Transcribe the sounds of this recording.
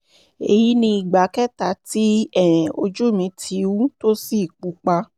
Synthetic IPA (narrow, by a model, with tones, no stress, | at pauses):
e˨ji˨˦nĩ˧i˨ɡ͡ba˨˦kɛ˦ta˧˦ti˦ɛ̃˦˨o˧d͡ʒu˦˨mĩ˨˧˦tʰi˨˧˦wu˦to˦si˦˨k͡pu˨˦k͡pa˧